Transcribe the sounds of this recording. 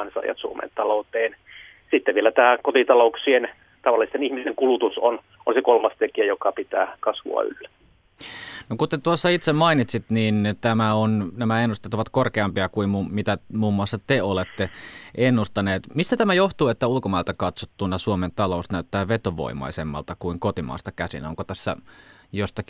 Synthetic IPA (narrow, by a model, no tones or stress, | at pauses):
nsɑ̰ˑjɑ̰t̪suomḛnt̪ɑlout̪eːn | sit̪ːeʋʋielæt̪æːkot̪it̪ɑlouksien | t̪ɑʋɑlːˑist̪enihmist̪eŋkulut̪uson | ʔonsekolmɑst̪ekiæjokɑpit̪æ̰ːkɑsʋṵɑ̰y̰lːæ | nokut̪ːet̪uosːɑit̪semɑinit̪sit̪niːnt̪æmæonnæmæenːust̪et̪ːoʋɑt̪korkeɑmpiɑkuimmumit̪æmuːmːuɑsːɑt̪eolet̪ːeʔenːust̪ɑneːt̪mist̪æt̪æmæjoht̪uːet̪ːæulkomɑilt̪ɑkɑt̪sot̪ːunːɑsuoment̪ɑloˑusnæyt̪ːæːʋet̪oʋo̰imːˑɑ̰isemːɑ̰lt̪ɑkuiŋkot̪imɑ̰ːst̪ɑkæsḭnoŋkot̪æsːæ̰jost̪ɑk